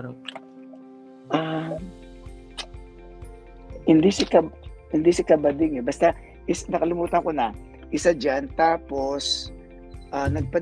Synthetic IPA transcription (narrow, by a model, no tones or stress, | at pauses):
ʔa | hɪnd̪isɪkɐhɪnd̪ɪsɪkɐbɐd̪ɪŋɛbɐst̪a | ʔɪsnɐkɐlɪmuːt̪ɐŋko̞nɐ | ʔɪsad͡ʒant̪aːpo̞s | ʔanɐɡ̚pɐ